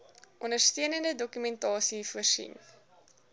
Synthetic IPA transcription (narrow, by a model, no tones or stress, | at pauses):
ʔɔndərstiənəndədɔkymɛntɑːsifuərsḭn